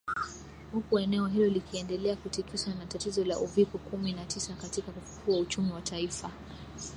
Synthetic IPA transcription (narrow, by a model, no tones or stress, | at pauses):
hukuɛnɛɔɦilɔlikiɛndɛlɛakutikʰiʃanatatizɔlaʔuvipɔkuminatʰisakatikakufu̥kʰuaut͡ʃumiwatʰaifa